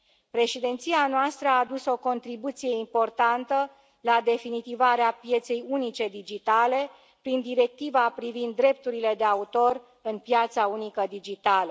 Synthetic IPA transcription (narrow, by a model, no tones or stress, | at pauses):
pɾe̞ʃid̪ent̪sianoast̪ɾəaːd̪uso̞ko̞nt̪ɾibut̪sije̞impo̞rt̪ant̪ə | lad̪e̞finit̪ivaɾeapje̞t̪se̞junit͡ʃe̞d̪id͡ʒit̪ale̞ | pɾind̪iɾe̞k̚t̪ivapɾivind̪ːɾe̞p̚t̪uɾile̞d̪e̞aut̪o̞r | ɨnpjat̪saunikəd̪id͡ʒit̪alə